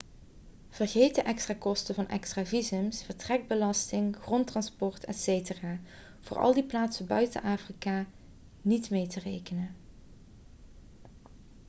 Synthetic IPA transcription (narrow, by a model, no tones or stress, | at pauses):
v̥ərɣejtəʔɛkstraːkɔstəvɑnʔɛ̰kstraːvizəmsfəɹtrɛɡ̚bəlɑstɪŋxrɔntrɑnspɔɹtʰɛ̰tsejtəraː | v̥ʊːɹʔɑ̰lˠdiplaːtsəbœɥtə̰nʔaːfrikaː | nitmejtərejkənə